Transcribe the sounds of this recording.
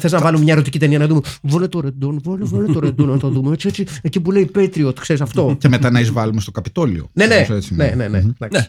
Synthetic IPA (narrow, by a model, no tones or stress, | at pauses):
θe̞znɐvɐlumemɲɐeɾo̞t̪icit̪e̞niɐnɐðumevolet̪oɾed̪onvonevolet̪oɾed̪onnɐt̪oðumeet͡siet͡siecipule̞ipet̪ɾiot̪i̥kse̞ɾisɐft̪o̞cemet̪ɐnɐizvɐlumest̪okɐpit̪o̞lio̰ne̞neset͡sinenened̪ɐks